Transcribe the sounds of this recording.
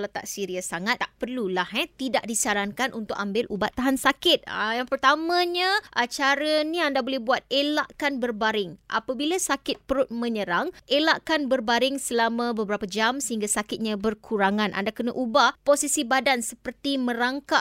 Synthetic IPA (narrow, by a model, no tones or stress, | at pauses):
lat̪a̰ʔsiɾiasaŋat̪̚ːaʔpərlulahɛt̪idaʔdisaɾaŋkanʔunt̪ʊkambɪlʔubat̪ːaɦansakɪt̪̚a̰jaŋpərt̪amãɲãʔat͡ʃaɾənĩandabolɛhbuat̪̚elaʔkanbərbaɾɪŋʔa̰pabilasakɪt̪̚pəɾʊt̪̚mə̃ɲəɾaŋelaʔkanbərbaɾɪŋsəlamãbəbəɾapad͡ʒamsəɦiŋɡasakɪt̪̚ɲãbərkʰuɾaŋanʔa̰ndakənaʔubaposisibadansəpərt̪imə̃ɾaŋkaʔ